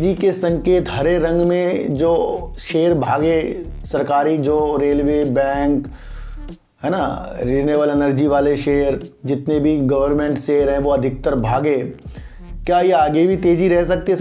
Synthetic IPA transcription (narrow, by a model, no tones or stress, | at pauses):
d͡ʒikesɐ̃ŋkeːt̪ɦɐɾeɾɐ̃ŋɡmẽd͡ʒoːʃeːəɾbʱaːɡe | sɐɾkaːɾid͡ʒoːɾeːlʋeːbɛ̃ːŋk | ɦɛːnaɾiːneːʋəlɛnəɾd͡ʒiʋaːleʃeːəɾd͡ʒɪt̪nebʱiɡɐʋəɾmẽɳʈseːɾɦɛ̃ʋoɐd̪ʱɪk̚t̪əɾbʱaːɡẽː | kjajeaːɡebʱit̪eːd͡ʒiɾɛɦs̬ɐk̚t̪eɛ